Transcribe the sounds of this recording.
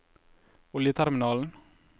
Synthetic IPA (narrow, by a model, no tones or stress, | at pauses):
ʊljət̪ʰæɾmɪnɑːln̩